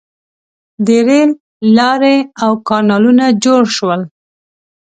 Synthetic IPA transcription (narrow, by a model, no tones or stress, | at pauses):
d̪eɾelː | ɑɾeawkɑɾnɑlunad͡ʒoɽʃwəl